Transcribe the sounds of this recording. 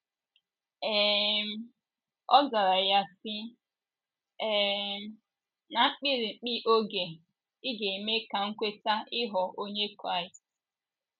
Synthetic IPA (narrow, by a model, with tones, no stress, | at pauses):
ɛ˦˨˦ | ɔ˦za˨ɾa˨ja˦sɪ˦ | ɛ˦ | na˨˦k͡pi˦ɾi˨ŋ͡m̩˨k͡pi˦ʔo˦ɡe˨ | ɪ˦ɡe˨i˨me˦ka˨ŋ̩˦kʷe˦ta˦ɪ˦ɦɔ˨ʔo˦ɲe˦kɾa˦˨i˨st